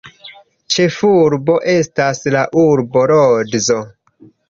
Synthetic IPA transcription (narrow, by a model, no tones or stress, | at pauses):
t͡ʃe̞fuɾbo̞ʔe̞staslaʔuɾbo̞ɾodzo̞